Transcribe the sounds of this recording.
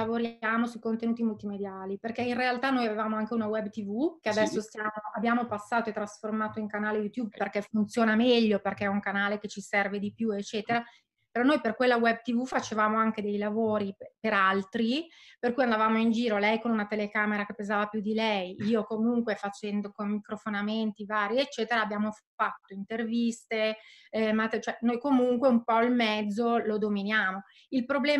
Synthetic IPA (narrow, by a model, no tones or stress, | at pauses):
avoɾjaːmosuikont̪enuːt̪imult̪imed̪jaːliperkɛinrealt̪anːoːjavevaːmoaŋkeunawɛbːt̪ivukead̪ɛsːost̪jaːmoʔabjaːmopasːaːt̪oet̪ːɾasformaːt̪oiŋkanaːlejut̪jub̚perkɛfunt̪sjoːnamɛʎːoperkɛɛuŋkanaːleket͡ʃisɛrved̪ipjuet͡ʃːɛːt̪eɾa | peɾɔnːojperkwelːawɛb̚t̪ivufat͡ʃevaːmoaŋk̟ed̪ejlavoːɾipeɾalt̪ɾiperkujand̪avaːmoind͡ʒiːɾolɛjkonunat̪elekaːmeɾakepːezaːvapjud̪ilɛjiːokomuŋkwefat͡ʃɛnd̪okommikɾofonament̪ivaːɾjiet͡ʃːɛːt̪eɾaːbjaːmofat̪ːoint̪ervist̪e | mat̪ːet͡ʃoɛnojkomuŋkweumpɔilmɛd̪zːolod̪ominjaːmo | ilpɾoblɛː